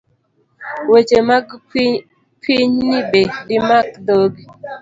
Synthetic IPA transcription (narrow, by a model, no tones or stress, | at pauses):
wet͡ʃemaɡ | kiɲnibedimakdoɡi